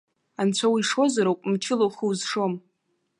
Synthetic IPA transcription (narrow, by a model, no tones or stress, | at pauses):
ant͡ɕʷʰawiʂo̞zaɾawkʷʼmt͡ʃʰɪlowχiwzʂo̞m